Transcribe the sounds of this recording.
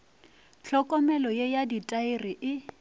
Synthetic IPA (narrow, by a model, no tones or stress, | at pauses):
t͡ɬʰɔkʼɔmɛlɔjejaditʼaɪrɪʔɪ